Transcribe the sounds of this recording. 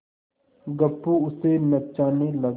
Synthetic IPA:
ɡəpːuʊsenɐt͡ʃaːnelɐɡ

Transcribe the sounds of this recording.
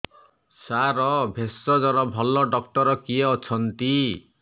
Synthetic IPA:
saɾɔbʱesːɔd͡ʒɔɾɔbʱɔlɔɖɔkʈɔɾɔkieɔt͡ʃʰɔnt̪i

